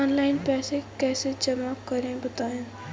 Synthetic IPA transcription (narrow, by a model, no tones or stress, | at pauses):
ɔːnlaːɪnpɛːsekɛːsed͡ʒɐmakːɐɾẽbɐt̪aːjẽː